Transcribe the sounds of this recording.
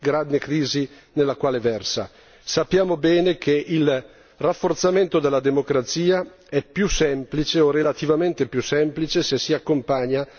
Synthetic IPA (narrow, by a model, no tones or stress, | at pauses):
ɡɾanːekɾiːzi | nelːakwaːlevɛrsa̰ | sapːjaːmobɛːnekʰeʔil | rafːort̪sament̪od̪elːad̪emokɾat̪siːa | ɛpːjusɛmplit͡ʃeorelat̪ivament̪epjusɛmplit͡ʃesesiakːompaɲa